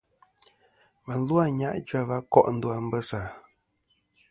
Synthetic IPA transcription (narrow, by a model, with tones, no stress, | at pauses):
mə˨n̩˦lwa˦˨ɲa˦ʔd͡ʒa˦va˦kɔ˦˨ʔn̩˦du˦a˨m̩˦bə˦sa˨